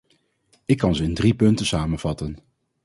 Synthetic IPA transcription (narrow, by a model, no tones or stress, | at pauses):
ɪkːɑnzəɪndripɵntəsaːmənv̥ɑtən